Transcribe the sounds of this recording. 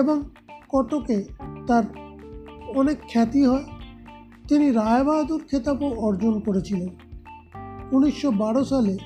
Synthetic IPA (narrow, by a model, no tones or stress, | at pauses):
eboŋ | kɔʈoket̪aɾ | ɔnekʰːɛt̪iɦɔe | t̪iniɾajbad̪uɾkʰet̪apoɔɾd͡ʑonkoɾet͡ɕʰilen | uniʃːobaɽosale